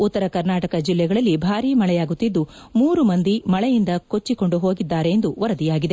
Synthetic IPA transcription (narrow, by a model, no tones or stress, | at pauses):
ut̪ːɐɾɐkɐɾnaːʈɐkɐd͡ʒilːɛɡɐɭɐlːibʱaːɾiːmɐɭɛjaːɡut̪ːid̪ːu | muːɾumɐnd̪imɐɭɛjind̪ɐko̞t͡ʃːiko̞ɳɖuɦo̞ːɡid̪ːaːɾe̞jːnd̪uʋɐɾɐd̪ijaːɡid̪e